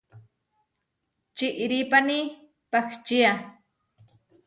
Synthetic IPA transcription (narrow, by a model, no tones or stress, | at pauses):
t͡ʃɪʔɾipani | pakt͡ʃia